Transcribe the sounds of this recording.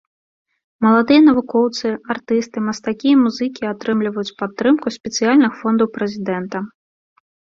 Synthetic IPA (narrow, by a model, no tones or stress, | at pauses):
mɐlˠad̪ɨjɐnɐvukɔwt̪sɨart̪ɨst̪ɨmɐst̪akʲijɐmuzɨkʲiat̪ɾɨmlʲivɐjut͡sʲpat̪ːɾɨmkusʲpʲɛt̪sɨjalʲnɨxfɔnd̪ɐwpɾɛzʲid̪ɛnt̪ɐ